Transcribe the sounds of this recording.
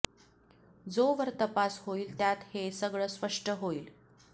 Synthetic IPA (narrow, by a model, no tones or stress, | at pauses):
d͡zoʋəɾt̪əpasɦoiːlt̪jat̪hesəɡɭəspəʂʈəɦoiːl